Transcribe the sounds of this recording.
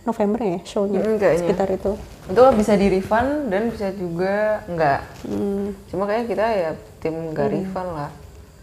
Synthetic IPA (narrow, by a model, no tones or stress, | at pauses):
nofɛmbərjaʃoɲakasɲkit̪arit̪u | unt̪ʊkabisadiɾifandanbisad͡ʒuɡaŋɡaʔm̩t͡ʃumakajakit̪ajat̪ɪmŋɡaɾifanlah